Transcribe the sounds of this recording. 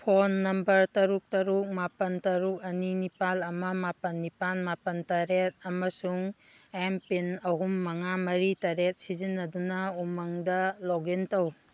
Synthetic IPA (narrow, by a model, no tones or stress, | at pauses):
pʰonːɐmbɐɾtɐɾuk̚tɐɾuk̚mapɐntɐɾuk̚ɐninipalɐmɐmapɐnːipanmapɐntaɾet̚ɐmɐsuŋ | empinɐɦumːɐŋamɐɾitaɾet̚sizinːɐdunɐumɐŋdɐloɡentɐw